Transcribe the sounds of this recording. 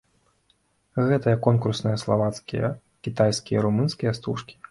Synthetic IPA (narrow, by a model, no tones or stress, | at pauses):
ɣɛt̪ɨjɐkɔnkursnɐjɐslˠavat̪skʲijɐ̰ | kʲit̪ajskʲijɐɾumɨnskʲijɐst̪uʂkʲi̥